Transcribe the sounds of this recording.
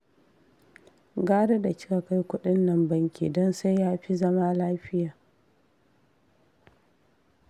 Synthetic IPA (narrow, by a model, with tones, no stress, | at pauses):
ɡaː˦ɽe˦da˨t͡ʃɪ̥˦ka˨ka˦jkʷʊ˦ɗɪ˦nːɐ˨mbɐ˦ŋkʲḭ˨dɔ˦nsa˦jjaː˦ɸi˦zɐ˦maː˦laː˦ɸɪ˦jaː˨